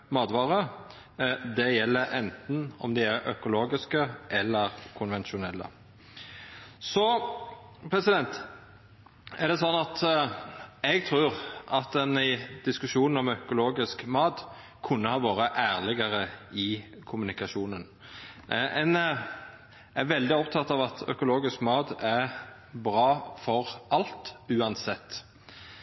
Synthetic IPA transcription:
mɑːd̪ʋɑːɾə | d̪ɛjɛlːəɾɛnt̪n̩ɔ̰md̪ɪæɾœ̰kʊloːɡɪskəʔɛlːəɾkʰʊnʋɛnʃʊnɛlːə̰ | sɔ | pʰɾɛsɪd̪ɛnt̪ | æʁɖ̪ɛsɔnːɑt̪ | ɛɡt̪ʰʁʉːʁʔɑt̪̚d̪ɛnɪd̪̥ɪskʉʃuːnn̩ɔmœkʊloːɡɪskmɑːd̪ | kʰʉnːəhɑːʋoːɾəʔæːɾlɪɡəɾəɪkʰʊmʉnɪkɑʃuːnən | ɛn | æɾʋɛld̪ɪɔpt̪ʰɑt̪ːɑːʋɑt̪ʰœ̰kʊloːɡɪskmɑːd̪æ | bɾɑːfɔɾʔɑlt̪ʉːɑnsɛt̪ː

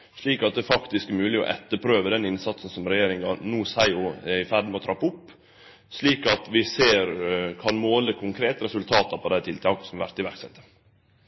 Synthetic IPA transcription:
ʂɭiːkɑt̪̚d̪ɛːfɑkt̪ɪskmʉːlɪɔ̰ʔɛt̪ːəpʰɾøːʋəd̪ɛnɪnsɑt̪sn̩sɔmɾɛjeːɾɪŋɑnuːsæɪʊɛɪfæɖ̪moɔːt̪ʰɾɑpːəʊpː | ʂɭiːkɑt̪ʋɪseːɾkʰɑnmoːləkʰʊŋkʰɾeːt̪əɾɛsʉlt̪ʰɑːt̪ɑɾpʰɔd̪æɪt̪ʰɪlt̪ʰɑːksɔmʋæ̰ɾt̪ɪʋæɾksɛ̰t̪ːə̥

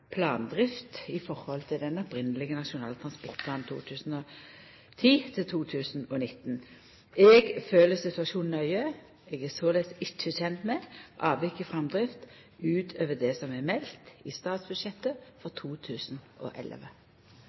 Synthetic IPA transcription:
pʰlɑːnd̪ʁɪft̪ɪfɔʁhɔlt̪ʰɪld̪ɛnɔpɾɪnəlɪɡənɑʃʊnɑːlt̪ʰɾɑnspɔʁt̪̚pʰlɑːnt̪ʰṵːt̪ʰʉːsn̩ɔ | t̪ʰiːt̪ʰɪlt̪ʰuːt̪ʰʉːsnɔnɪt̪n | ɛɡføːləsɪt̪ʉɑʃuːnn̩œʏə | ɛɡæsoːlɛt̪sɪt͡ʃːəçɛnt̪mɛʔɑːʋʋɪkːəfʁɑmd̪ʁɪft̪ | ʉːt̪ʰøːʋəd̪ɛsɔmɛmɛlt̪ɪst̪ɑːt̪sbʉd̪ʃɛt̪ːəfɔʁt̪ʰuːt̪ʰʉːsnʔɔ̰ʔɛ̰lʋə

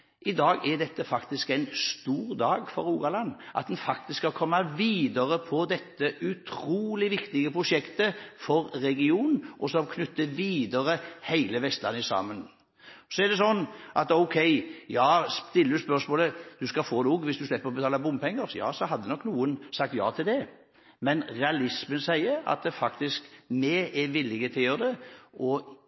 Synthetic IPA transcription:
ʔɪd̪ɑːɡɛd̪ɛt̪ːəfɑkt̪ɪskæɪnst̪uːɾd̪ɑːɡfɔɾuːɡɑlɑnːʔɑ̰t̪̚d̪nfɑk̚t̪ɪskhɑlkʰɔmːɑʋiːd̪əɾəpʰɔd̪ɛt̪ːəʔʉt̪ʰɾuːlɪʋɪkt̪ɪɡəpʰɾʊʂɛkt̪əfɔɾːɛɡɪuːnʔɔsɔmkʰnʉt̪ːəʋiːd̪əɾəhæɪləʋɛst̪lɑ̰nəsɑ̰mːən | sɔɛɾd̪ɛsɔnːʔɑt̪ɔʊkʰɛɪjɑːst̪ɪlːəɾʉspœɾsmoːləd̪̥ʉskɑfoːnuːɡʋɪsd̪ʉslɛpːəɾɔbət̪ʰɑːləbʊmpʰɛŋːəɾjɑ̰ːsɔɦɑd̪ːənɔkːnuːənsɑk̚t̪jɑ̰ːt̪ʰɪld̪ɛ | mɛnɾɛɑlɪsmənsæɪəɾɑ̰t̪̚ɛfɑkt̪ɪskmɛɛʋɪlːɪɡət̪ʰɪljøːɾd̪ɛʔɔ

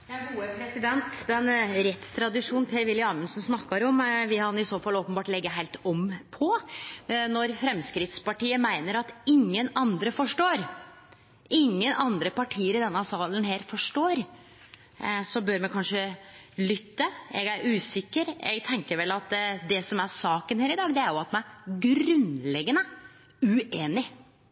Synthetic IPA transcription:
jɑɡuːəpʰɾɛsɪd̪ɛnt̪d̪ɛnɾɛt̪st̪ʰɾɑd̪ɪʂuːn̩pʰeːɾʋɪlɪɑːmənsɔnsnɑkːɑɾɔmʋɪkɑnɪsoːfɑloːpəbɑːʈlɛɡːəɦæɪlt̪ɔmpʰɔ | nɔɾfɾɛmskɾɪt̪spɑʈiːəmæɪnəɾɑt̪ɪŋːənɑnd̪ɾəfɔʂʈoːɾ | ʔɪŋːənʔɑnd̪ɾəpɑʈʰiːəɾɪd̪ɛnːəsɑːlənɦeːɾfɔʂʈoːɾ | sɔbøɾmɛkʰɑnʂəlʏt̪ːəɛ̰ɡæɾʉːsɪkːəɾɛ̰ɡt̪ʰɛŋkəɾʋɛlɑt̪d̪ɛsɔmæɾsɑːkənheːɾɪd̪ɑːɡd̪ɛæɾjʊɑt̪mɑnæɾɡɾʉnlɛɡːənə | ʉeːnɪ

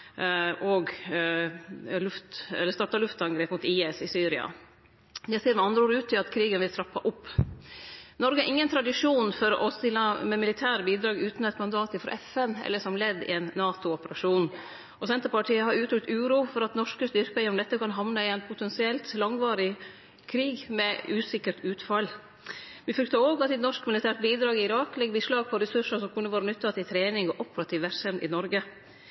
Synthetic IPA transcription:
ɔɡ | lʉft̪ɛ̰lːəst̪ɑʈɑlʉft̪ɑŋɡɾeːpmʊːt̪iːɛsɪsyːɾɪɑ̰ | d̪ɛseːɾmɛɑnd̪ɾəoːɾəʉːt̪ʰːɪlɑt̪kʰɾiːɡənʋɪlt̪ʰɾɑpːɑʔʊpː | nɔɾɡəæɾʔɪŋːənt̪ʰɾɑd̪ɪʂuːnfɔɾʔɔst̪ɪlːɑmɛmɪlɪt̪ʰæːɾbiːd̪ɾɑːɡʉːt̪nɛt̪mɑnd̪ɑːt̪ɪfɾɑ̰ʔɛfɛnɛ̰lːəʂɔmlɛd̪ːɪ̰ɛnːɑːt̪ʊɔpəɾɑʂuːn | ɔsɛnt̪əɾpɑʈʰiːəɦɑɾʉːt̪ʰɾʉk̚t̪ʉːɾuːfɔɾɑt̪nɔʂkəst̪ʏɾkəɔmd̪ɛt̪ːəkɑnɦɑʋnɑɪɛnpʰʊt̪ʰɛnsɪɛlt̪lɑŋʋɑːɾɪ | kʰɾiːɡmɛʉːsɪkːəɾʈʉːt̪fɑl | ʋɪfɾʉkt̪ɑoːɡɑt̪ːɛt̪nɔʂkmɪlɪt̪ʰæːɾʈ̪̚biːd̪ɾɑːɡɪɪɾɑːklɛɡːbiːʂlɑːɡ̚pʰɔɾɛsʉʂəsɔmkʰʉnːəʋɑːɾənʉt̪ːɑt̪ɪlt̪ʰɾeːnɪŋɔʔɔpəɾɑt̪ʰiːʋʋæɾsɛmd̪ɪ̰nɔɾɡə

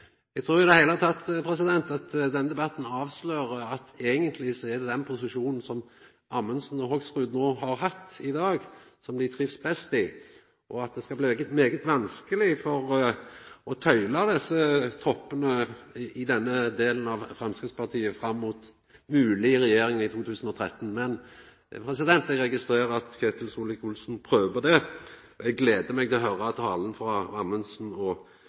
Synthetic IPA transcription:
ɛɡt̪ʰɾuːɾjʊɪd̪ɛhæɪlət̪ʰɑt̪pʰɾɛs̬ɪd̪ɛnt̪ɑt̪d̪ɛnːəd̪ɛbɑt̪ːn̩ɑːʋsløːɾəɑt̪eːɡənt̪ʰlɪsɔæɖɛd̪ɛnpʰʊs̬ɪʃuːnn̩sɔm | ʔɑmənsn̩ɔɦɔɡsʁʉːd̪noːɦɑɾhɑt̪ːɪd̪ɑːɡsɔmlɪt̪ʰɾɪʋsbɛst̪ɪ | ʔɔɑt̪̚d̪ɛskɑbliɡət̪meːɡət̪ʋɑnskəlɪfɔɾ | ɔt̪ʰœʏlɑd̪ɛsːət̪ʰɔpːənəɪd̪ɛnːəd̪eːlənɑʋfɾɑmskɾək̪spɑʁt̪ʰiːəfɾɑmːuːt̪ | mʉːlɪɾɛjeːɾɪŋɪt̪ʰuːt̪ʰʉːsən̩ɔt̪ʰɾɛt̪ːn̩mɛn | pʰɾɛs̬ɪd̪ɛnt̪ɛɡɾɛɡɪst̪ɾeːɾəɑt̪kʰɛːt̪ɪlsuːlɪkʊlsn̩pʰɾøːʋəd̪ɛ | ɔɛɡːleːd̪əmɛɡt̪ʰɪlɔɦœɾəɑt̪ʰɑːlənfɾɑɑmənsnɔ

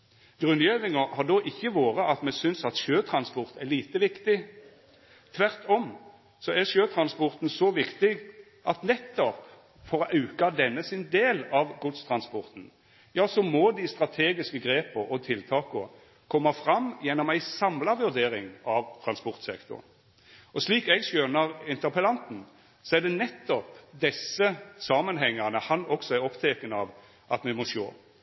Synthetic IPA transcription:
ɡ̥ʁʉnjeːʋɪŋəhɑd̪ɔʔɪçːəʋoːʁəʔɑt̪mɛsʏnsɑt̪ʃøːt̪ʰɾɑnspɔʁt̪ɛliːt̪əʋɪkt̪ɪ | t̪ʰʋæʁt̪ʰɔm | sɔæʃøːt̪ʰɾɑnspɔʁt̪n̩sɔʋɪkt̪ɪɡ | ʔɑt̪nɛt̪ːɔp | fɔɾɔʔɑʉkɑd̪ɛnːəsɪnd̪eːlɑʋɡʊd̪st̪ʰɾɑnspɔʁt̪n̩ | jɑːsɔmɔd̪ɪst̪ɾɑt̪ʰeːɡɪskəɡɾeːpəɾɔt̪ʰɪlt̪ʰɑːkʊ | kʰɔmːɑfɾɑmːjɛnːɔmæɪsɑmlɑʋʉʁd̪eːɾɪŋɑʋt̪ʰɾɑnspɔʁt̪sɛkt̪ʊ̰ʁ | ɔsliːkɛɡsœnɑʁɪnt̪əʁpəlɑnt̪n̩ | sɔɛd̪ɛnɛt̪ːɔpd̪ɛsəsɑːmənɦɛŋːəʁnəhɑnɔksɔæɔpt̪ʰɛkənəɑʋ | ʔɑt̪mɛmɔʃo̰ː

